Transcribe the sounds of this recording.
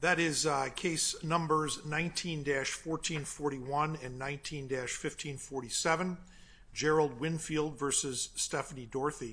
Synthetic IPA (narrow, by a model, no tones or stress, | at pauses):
ðɨɾɪzkʰeɪsnʌ̃mbə˞znãɪ̃ntʰĩndæʃfɔɹtʰĩnfɔɹɾiwʌ̃nɨ̃nːãɪ̃ntʰĩndæʃfɪftʰĩnfɔɹɾisɛvɨ̃n | d͡ʒɛɹl̩ˠd̚wɪ̃nfilˠdvɜ˞sɨz̥stɛfənidɔɹθi